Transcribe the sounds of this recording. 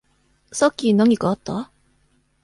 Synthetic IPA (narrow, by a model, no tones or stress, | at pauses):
sɔkinɔŋikɔt̪ːɔ